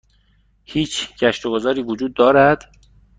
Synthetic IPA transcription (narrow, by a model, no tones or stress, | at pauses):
hiːt͡ʃʰɟ̥æʃt̪oɡozɒːɾiːvod͡ʒuːd̪ːɒːɾæd̪̥